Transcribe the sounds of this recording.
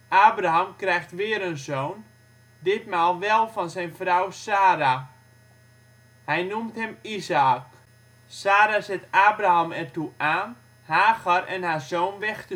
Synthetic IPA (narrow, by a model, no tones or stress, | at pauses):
ʔaːbraɦamkrɛjxtʋɪːəɾənzoːn | dɪtmaːlˠʋɛlˠfɔnsɛjnfrawsaːɾa | hɛjnumtɦɛmizaːk | saːɾazɛtaːbraamɛrtuaːn | haːɣarɛnhaːzoːnʋɛxtə